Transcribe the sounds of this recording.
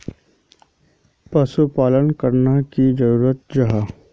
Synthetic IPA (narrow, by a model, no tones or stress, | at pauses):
pəsupaːlənkəɾnakid͡ʒəɾuːɾət̪̚d͡ʒɐɦaː